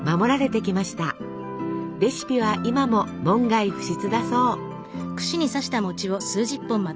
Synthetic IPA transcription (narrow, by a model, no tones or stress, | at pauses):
mamo̞ɾaɾe̞t̪e̞kʲimaɕi̥t̪a | ɾe̞ɕi̥pʲiβ̞aʔimamo̞mõ̞ŋɡaiɸɯ̟̥ɕit͡sɨd̪aso̞ː | kɯ̟̥ɕiɲ̟isaɕi̥t̪amo̞t͡ɕiβo̞sɨːʑipːɯ̃mːa